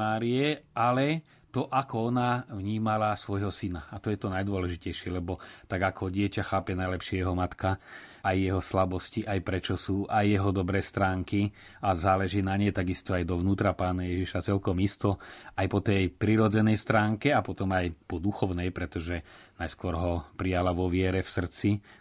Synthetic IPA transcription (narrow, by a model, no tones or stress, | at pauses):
aːɾiɛalɛ | t̪ɔʔakɔɔnavɲiːmalasʋɔjɦɔsinaːt̪ɔjɛt̪ɔnajd̪ʊɔlɛʒicɛjʃɪɛlɛbɔt̪aɡakʰɔɟɪɛcaxaːpɛnajlɛpʃɪɛjɛɦɔmat̪kaːjːɛɦɔslabɔsciʔajpɾɛt͡ʃɔsuːʔajːɛɦɔd̪ɔbɾɛːst̪ɾaːŋki | azaːlɛʒiːnaɲɛjt̪aɡist̪ɔajd̪ɔʋnuːt̪ɾapaːnajɛʒiʃat͡sɛlkɔmist̪ɔajpɔt̪ɛjpɾiɾɔd͡zɛnɛjst̪ɾaːŋkɛapɔt̪ɔmajpɔd̪uxɔʊnɛjpɾɛt̪ɔʒɛnajskʊɔɾɦɔpɾijalaʋɔʋɪɛɾɛfsr̩t͡si